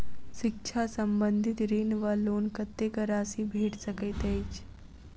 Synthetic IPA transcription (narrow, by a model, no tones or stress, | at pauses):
ʃɪk̚t͡ʃʰasəmbə̃nd̪ʱɪt̪ɾiːnʋəloːnkət̪ːekəɾaːsibʱeːʈsəkət̪ejt͡ʃ